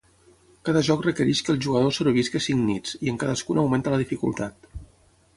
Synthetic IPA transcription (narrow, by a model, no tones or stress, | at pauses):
kaðəʒɔkrəkəɾiʃkəlˠʒuɣəðosəɾuβiskəsiŋnit͡siəŋkaðəskunəwment̪ələðifikṵlˠt̪at̪